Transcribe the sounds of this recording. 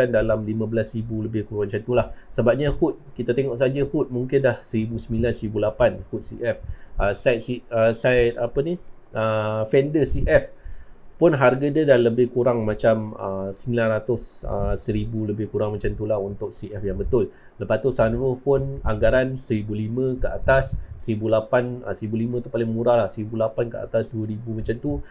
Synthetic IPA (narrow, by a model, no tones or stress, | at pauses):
andalamlimãbəlasribuləbɪhkuɾuaŋt͡ʃant̪ulahsəbap̚ɲahut̪̚kit̪at̪eŋɔʔsad͡ʒəhut̪̚muŋkɪndahsəɾibusəmĩlansəɾibulapanhut̪̚siʔɛfʔəsat̪siəsajt̪̚apəni | ʔəfɛndəsiʔɛfpʊnɦarɡadədanləbɪhkuɾaŋmat͡ʃamə̰səmilanrat̪ʊsə̰səɾibuləbɪhkuɾaŋmat͡ʃamt̪ulahunt̪ʊk̚siʔɛfjaŋbət̪ʊl | ləpat̪ʊsanɾopʊnaŋɡaɾansəɾibulimə̃kəʔat̪asːəɾibulapanə̰səɾibulimə̃t̪upalɪŋmuɾahlahsəɾibulapankəa̰t̪asduəɾibumat͡ʃamt̪u